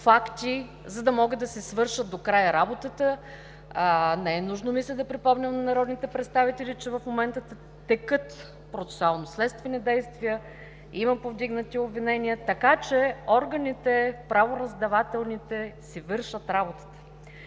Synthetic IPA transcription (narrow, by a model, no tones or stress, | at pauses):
fakt̪i | zɐd̪ɐmɔɡəd̪ɐsɛsvɤɾʃət̪̚d̪okɾajəɾabot̪ət̪ə | nɛɛnuʒnomisɛd̪ɐpɾipɔmnʲəmnɐnɐɾɔd̪nit̪ɛpɾɛt̪st̪avit̪ɛlit͡ʃɛvɐfmomɛnt̪ət̪ | t̪ɛkɤt̪ | pɾot̪sɛ̥sʊalˠnoslɛt̪st̪vɛnid̪ɛjst̪vijə | imɐpovd̪iɡnət̪iobvinɛnʲiət̪ɐkat͡ʃɛɔɾɡɐnʲit̪ɛpɾavoɾɐzd̪ɐvat̪ɛlˠnit̪ɛsivɤɾʃət̪ɾabot̪ə̥t̪ə̥